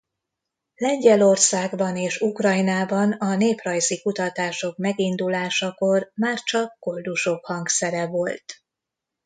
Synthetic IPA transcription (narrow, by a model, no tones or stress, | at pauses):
lɛɲɟɛlo̞rsaːɡbɒneːʃukrɒjnaːbɒnɒneːprɒjzikut̪ɒt̪aːʃo̞kmɛɡind̪ulaːʃɒko̞rmaːrt͡ʃɒkːo̞ld̪uʃokhɒŋksɛɾɛvo̞lt̪